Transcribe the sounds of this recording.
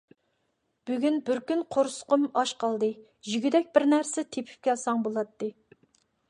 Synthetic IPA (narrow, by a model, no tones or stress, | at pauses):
b̥yɡʲynbɪɾkʲynqʰoɾsʊ̥qəmɑʃqʰɑlˠd̪ɨ | ʒyɡʲyd̪ɛk̚ʲbɪɾnæɾsɛt̪ʰepʰy̥p̚kʲʰɛlsɑŋbolˠɑt̪ːɨ